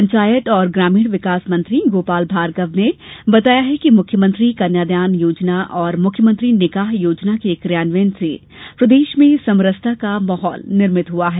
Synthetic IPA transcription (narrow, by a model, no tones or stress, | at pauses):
pɐ̃ɲt͡ʃaːjət̪ɔːɾɡɾaːmiːɽ̃ʋɪkaːsmɐ̃nt̪ɾiɡoːpaːlbʱaːɾɡəʋnebɐt̪aːjaɦɛkimʊkʰjəmə̃nt̪ɾikɐnjaːd̪jaːnjoːd͡ʒnaʔɔːɾmʊkʰjəmə̃nt̪ɾinɪkaːɦjoːd͡ʒnakekɾjaːnʋeːnse | pɾɐd̪eːʃmẽsɐmɾəst̪ʰakamɐːɦɔːlnɪɾmɪt̪ɦuaɦɛː